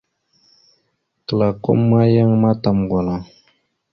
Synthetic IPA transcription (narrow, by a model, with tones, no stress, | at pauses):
kə˨la˨ko̰˦mːa˦ja˦ŋma˦ta˨mɡwa˨la˨